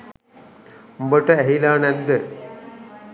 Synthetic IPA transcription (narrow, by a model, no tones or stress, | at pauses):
mbəʈəæɦilaːnɛnd̪ə